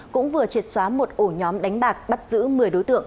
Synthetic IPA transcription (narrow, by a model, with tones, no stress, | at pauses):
kʊ̰˧˥ŋ͡mvɨ˨˩ət͡ɕi˨˩t̚swaː˨˦mo˨˩t̚ʔo˧˩ɲɔ˨˦mɗa˨˦jŋ̟ɓaː˨˩k̚ɓa˦˥t̚z̥ɨ̰˧˥mɨ˨˩əjɗo˨˦jt̪ɨ̰˧˨əŋ